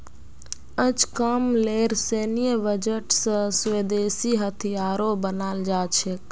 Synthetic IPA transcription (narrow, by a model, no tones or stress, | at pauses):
ət͡ʃkəmleːɾseːnijəʋəd͡ʒəʈsə̃sʋeːd̪eːsiɦət̪ʰijaːɾobənaːld͡ʒaːt͡ʃʰek